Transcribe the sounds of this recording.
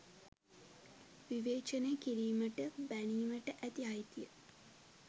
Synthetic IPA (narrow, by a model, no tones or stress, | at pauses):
ʋiʋeːt͡ʃənekiɾiːməʈəbæniːməʈəʔæt̪iɦajt̪ijə